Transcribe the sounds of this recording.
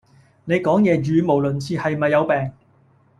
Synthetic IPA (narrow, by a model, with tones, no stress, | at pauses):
ne˨˧jkɔː˨˥ŋjɛː˨˧ɥyː˨˧mo˨˩wlɵ˨˩nt͡sʰiː˨˧hɐ˨jmɐ˨jːɐ˨˧wpɛː˨ŋ